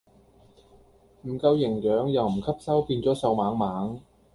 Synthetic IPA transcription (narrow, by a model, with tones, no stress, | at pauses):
m̩˨˩kɐ˧wjɪ˨˩ŋjœː˨˥ŋjɐ˨wm̩˨˩kʰɐ˥p̚sɐ˥wpiː˧nt͡sɔː˨˥sɐ˧wmaː˨˥ŋmaː˨˥ŋ